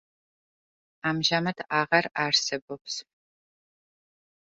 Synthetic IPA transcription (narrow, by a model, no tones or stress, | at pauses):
aːmʒamɐtʰaːʁɐraːrsɨbɔpʰs